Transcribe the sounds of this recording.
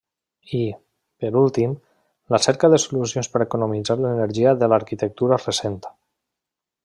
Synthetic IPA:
i | pəɾulˠt̪im | ləsɛɾkaðəsulusionspəɾekunumid͡zaɾlənəɾʒiaðəlaɾkit̪ək̚t̪uɾaresent̪ḁ

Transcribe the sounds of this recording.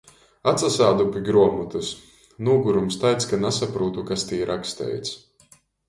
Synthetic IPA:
at̪sasaːd̪upʲiɡɾuɔmut̪us | nuːɡuɾumst̪ajt̪skanasapɾuːt̪ukast̪iːɾʔakst̪ɛ̰jt̪s

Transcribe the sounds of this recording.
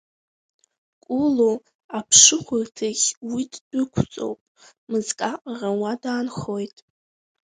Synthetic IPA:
kʷʼulo | apʰʂɨχʷʊrtʰaɣʲwiddɨkʷʰt͡sʼo̰wpʼ | mɨzkʼaqʼarawadaːnχojtʼ

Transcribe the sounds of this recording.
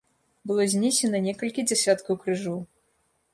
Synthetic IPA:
bɨlˠɔzʲnʲɛsʲɛnɐnʲɛkɐlʲkʲid͡zʲɛsʲat̪kɐwkɾɨʐɔw

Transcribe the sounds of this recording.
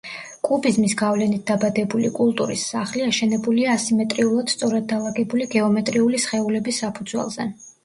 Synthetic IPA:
kʼubizmisɡavlɛnit̪̚d̪abad̪ɛbulḭkʼulˠt̪ʼuɾḭsːaχliaʃɛnɛbuliaːsimɛt̪ʼɾiulˠad̪̥st̪sʼɔɾad̪̚ːalˠaɡɛbuliɡɛɔmɛt̪ʼɾiulisχɛulɛbisːapʰud̪zwɛ̰lˠz̥ɛ̰

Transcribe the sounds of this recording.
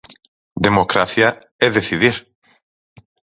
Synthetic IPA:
d̪emokɾaθja | eðeθiðiɾ

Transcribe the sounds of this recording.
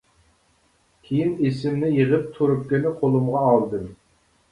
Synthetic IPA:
kʲʰejinesɪmnɪjəʁəp̚t̪ʰuɾup̚kʲɪnɪqʰolˠumʁɑɑlˠd̪ɨm

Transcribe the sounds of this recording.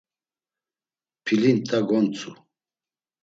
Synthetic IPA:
pʰilint̪ʼaɡɔnt͡sʰʼu

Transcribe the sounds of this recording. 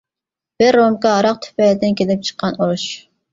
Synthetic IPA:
b̥ɪɾːomkɑɑɾɑq̚t̪ʰy̥pɛld̪ɪnkʲʰelɪp̚t͡ʃʰə̥qʰːɑnuɾuʃ

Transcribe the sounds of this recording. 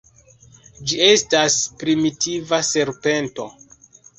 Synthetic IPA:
d͡ʒie̞staspɾimitʰivase̞ɾpe̞nto̞̰

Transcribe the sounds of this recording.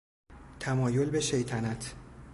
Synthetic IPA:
t̪ʰæmɒːjo̞lbe̞ʃe̞jt̪ʰænæt̪ʰ

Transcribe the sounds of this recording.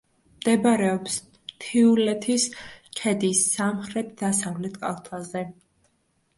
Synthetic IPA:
md̪̥ɛbaɾɛɔps | t̪ʰiulɛt̪ʰiskʰɛd̪isːamχɾɛt̪̚ʰd̪asavlɛt̪ʰkʼa̰lˠt̪ʰazɛ

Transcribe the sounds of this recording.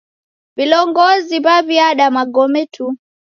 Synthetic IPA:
vilɔŋɡɔziβaβiaɗamaɡɔmɛtʰu

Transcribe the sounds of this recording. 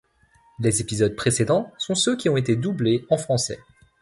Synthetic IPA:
lezepizɔd̪̚pχesed̪ɑ̃sɔ̃søkʲiɔ̃et̪ed̪ubleɑ̃fχɑ̃sɛ̰

